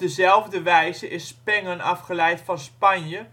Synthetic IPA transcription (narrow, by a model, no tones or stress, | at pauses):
dəzɛlˠvdəʋɛjzəʔɪspɛŋənɑfχəlɛjtfɑnspɑnjə